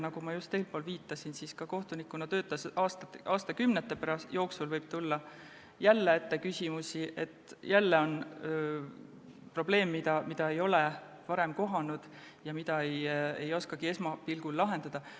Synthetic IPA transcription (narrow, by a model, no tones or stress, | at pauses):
nɑɡ̥umɑjust̪ːeːlpo̞ːlviːt̪ːˑɑsinsiskɑko̞ht̪unikːˑunɑt̪ø̞ːt̪ːˑɑsɑːst̪ɑʔɑːst̪ɑkymnet̪ːˑe̞pæɾɑsjo̞ːksulvɤjb̥̚t̪ulːɑ | jælːeet̪ːekysʲimusiʔe̞t̪ːˑjælːe̞o̞n | pro̞ble̞ːmːid̪ɑmid̪ɑe̞jo̞le | vɑɾe̞mko̞ɦɑnud̪̥ | jɑmid̪ɑejejo̞skɑɡ̥ie̞smɑpilɡ̥ulːɑɦe̞nd̪̥ɑd̪̥ɑ